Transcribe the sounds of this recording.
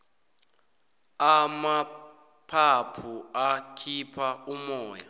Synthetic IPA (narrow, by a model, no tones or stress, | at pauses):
ama | pʰapʰuakʰipʰaumɔːja̰